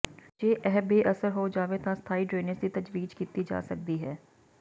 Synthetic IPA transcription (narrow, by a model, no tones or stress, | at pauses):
d͡ʒeːʔɛːbeːʔəsəɾɦoːd͡ʒaːʋeːt̪ãːst̪ʰaːiːɖɾeːnəsd̪iːt̪əd͡ʒʋiːd͡ʒkiːt̪iːd͡ʒa̰ːsək̚d̪iːɦɛː